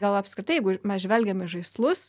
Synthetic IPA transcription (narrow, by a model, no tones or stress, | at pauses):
ɡɐlˠɐpʲskɾʲɪt̪ɐɪjɛɪɡʊmʲɛsʒʲʋʲɛlʲɡʲɛmɪʒɐɪslˠʊs